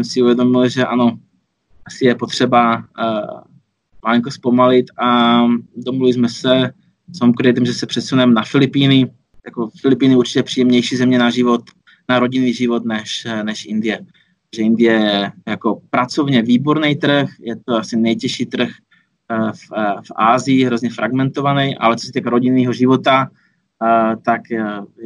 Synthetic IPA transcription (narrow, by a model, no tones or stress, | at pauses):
msɪuvjɛdo̞mɪlʒɛʔano̞ | ʔasɪjɛpo̞t̪r̝̥ɛba | maliŋkospo̞malɪt̪ʔa | d̪omluvɪzmɛsɛ | somkɾɪt̪̬imʒɛsɛpr̝̥ɛt̪sunɛmnafɪlɪpiːnɪ | jako̞fɪlɪpiːnɪuɾt͡ʃicɛpr̥iːjɛmɲɛjʃiːzɛmɲɛnaʒɪvot̪ | naɾo̞ɟɪniːʒɪvot̪nɛʃnɛʃʔɪ̰nd̪ɪjɛ | t̪aɡʒɛɪnd̪ɪjɛjɛjako̞pɾat͡so̞vɲɛviːboɾnɛjt̪ɾ̩xjɛt̪oasɪnɛjcɛʃiːt̪r̩x | ffʔaːzɪjɪɦɾozɲɛfɾʔaɡmɛnt̪o̞vanɛjʔa̰lɛt͡sosɛt̪iːkaɾoɟiniːɦoʒɪvo̞t̪a | t̪ak